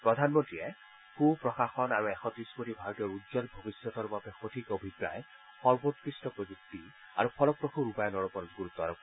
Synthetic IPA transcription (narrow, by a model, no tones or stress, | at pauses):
pɹɔdʱanmɔntɹiɛ | kupɹɔxaxɔnaɹuɛxɔtɹiskotibʱaɹɔtijɔɹuzɔnbʱobisjɔt̪ɔɹbabɛxotʰikobʱipɹa̰j | xɔɹbotkɹistɔpɹozuk̚ti | a̰ɹupʰɔlɔk̚ːɹoxʰuɹupajɔnɔɹɔpɔnɔɡuɹut̪ːɔaɹɔk